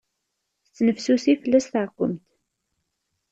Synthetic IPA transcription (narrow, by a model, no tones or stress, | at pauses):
θət͡sːnəfsusifəlːæstθəʕkʷːə̰mt̪